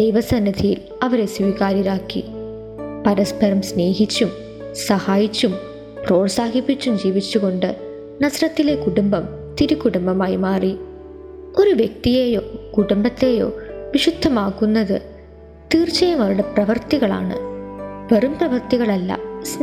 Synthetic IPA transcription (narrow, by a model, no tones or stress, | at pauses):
d̪̥ejʋɐsɐnːɐd̪ʱijil | ɐʋɐɾe̞swiːɣaːɾiɾaːkːḭ | pɐɾɐspɐɾɐmsne̞ːɦit͡ɕːum | sɐhaːjit͡ɕːum | pro̞ːrsaːɦipːit͡ɕːumd͡ʑiːʋit͡ɕːuɣo̞ɳɖɨ | nɐsɐɾɐt̪ːile̞kuɽumbɐm | t̪iɾukːuɽumbɐmaːjimaːri | o̞ɾuʋjek̚t̪ijeːjoːkuɽumbɐt̪ːe̞jo̞̰ːʋiʂud̪ʱːɐmaːɣunːɐðɨ̰ | t̪iːrt͡ɕːɐjɐmɐʋɐɾuɽeprɐʋɐrt̪iɣɐɭa̰ːɳɨ̰ʋerumprɐʋɐrt̪iɣɐɭɐlːɐ̰sn